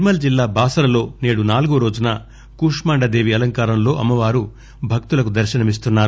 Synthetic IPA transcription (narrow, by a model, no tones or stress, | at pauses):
mɐld͡ʒilːaːbaːsɐɾɐlo̞ːneːɽunaːluɡuɾo̞ːd͡ʒunɐ | kuːʂmaːɳɖɐd̪e̞ːʋiɐlɐŋkaːɾɐmlo̞ːʔɐmːɐʋaːɾu | bʱɐk̚t̪ulɐkud̪ɐɾʃɐnɐmis̬t̪unːaːɾu